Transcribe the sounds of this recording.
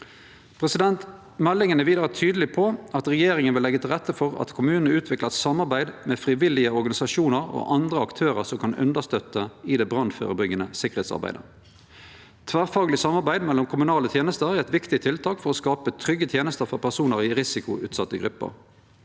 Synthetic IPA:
pʰʁɛsɪd̪ɛnt̪ | mɛlːɪŋənəʋiːd̪ʁɑɑt̪ʰyːd̪lɪpʰɔɑt̪ʁɛjeːʁɪŋənʋɪlɛɡːət̪ʰɪlʁɛt̪ːəfɔʁɑ̰t̪kʰʊmʉːnənəʉːt̪ʰʋɪklɑsɑmːɑʁbæɪd̪meːfʁɪʋɪlɪəɔʁɡɑnɪsɑʃuːnəʁo̰ʔɑnd̪ʁəɑkt̪ʰøːʁəʁsɔmkʰɑnʉ̰nd̪əst̪œt̪ːəɪd̪ɛbʁɑnfø̰ːʁəbʏɡːənəsɪkːəʁheːt̪sɑ̰ʁbæ̰ɪd̪ə̰ | t̪ʰʋæːʁfɑːɡlɪsɑmɑʁbæɪd̪mɛlɔmkʰʊmʉnɑːlət̪ʰjeːnəst̪əʁæʁɛt̪ʋɪkt̪ɪt̪ʰɪlt̪ʰɑːkfɔʁɔskɑːpət̪ʰʁʏɡːət̪ʰjeːnəst̪əʁfɔʁpʰæʁsuːnəʁɪʁɪsɪkʊʔʉːt̪sɑt̪ːəɡʁʉpːə̰ʁ

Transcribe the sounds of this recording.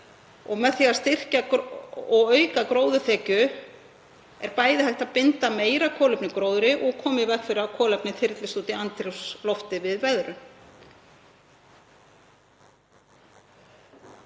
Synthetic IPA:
ɔɣmɛðθiːast̪ɪr̥ca | ɔɣœːɥkakɾoːwðʏθɛːcʏ | ɛɾpaːjðɪhajht̪apɪnt̪ameːjɾakʰɔːlʏpnɪkɾoːwðʏɾɪʔɔɣkʰɔːmɪvɛkfɪɾɪawkʰɔːlɛpnɪθɪɾt̪lɪst̪uːt̪ɪant̪ɾɛwslɔft̪ɪvɪðvɛðɾʏ

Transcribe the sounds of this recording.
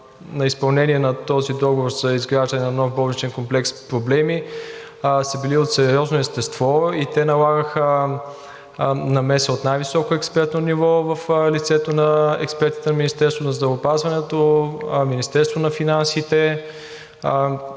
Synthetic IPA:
nɐispɐlˠnɛniɛnɐt̪ɔzid̪ɔɡovoɾz̥ɐizɡɾaʒd̪ənɛnɐnɔfbɔlɛt͡ʃɛnkomplɛkspɾoblɛmi | sɐbiliot̪sɛɾjɔznoɛst̪ɛst̪vɔit̪ɛnɐlˠaɡəxə | nɐmɛsəot̪najvisɔkoɛkspɛɾt̪nonivɔvəflit̪sɛt̪onɐɛ̰kspɛɾt̪i̥t̪ɛnɐminist̪ɛɾst̪vonɐzd̪ɾɐvoːpazvɐnɛt̪ominist̪ɛɾst̪vonɐfinansit̪ɛ

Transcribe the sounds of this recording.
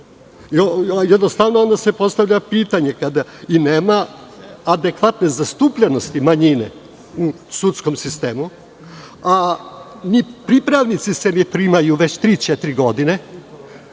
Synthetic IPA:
iojed̪no̞st̪aʋnoo̞nd̪asepo̞st̪aʋʎapiːt̪aɲe̞kad̪aineːmaː | d̪e̞kʋat̪ne̞zast̪upʎeno̞st̪imaɲinḛ | u | sut̪sko̞msist̪eːmu | a | nipɾipɾaʋnit̪sisenepɾiːmajuʋet͡ɕt̪ɾiːt͡ʃet̪iɾiɡo̞d̪ine̞

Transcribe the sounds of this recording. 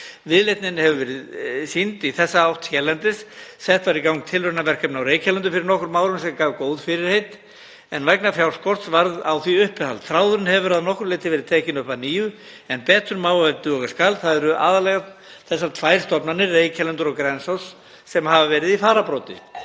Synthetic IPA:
vɪðlejt̪nɪnhɛvʏvɛːɾɪðsint̪iθɛsːaawht̪sjɛːlɛnt̪ɪssɛht̪vaɾikawŋk̚t̪ʰɪlʏnavɛr̥kʰɛpnawɾeːjcʰalɛnt̪̬ʏfɪɾɪɾnɔhkʏɾmaːwɾʏnsɛmkaːvkoːwðfɪɾɪɾ̥hejt̪ | ɛnvɛknafjawɾ̥skɔr̥t̪svaɾðawθviʏhpɪθa̰lθɾawðʏɾʏnhɛvʏɾaðnɔhkʏɾleːjt̪ɪvɛːɾɪðt̪ʰɛːcɪnʏhpaðniːʏ | ɛnpɛːt̪ʏɾmaːwɛt̪ʏɔɣaskaːlθaðɛɾʏʔa̰ːðalɛɣa | θɛs̬ːaɾt̪ʰvajɾ̥st̪ɔpnanɪreːjcʰalɛnt̪ʏɾɔɣkɾɛnsawsː | ɛmhavavɛːɾɪðifaːɾapɾɔwt̪ɪ̰

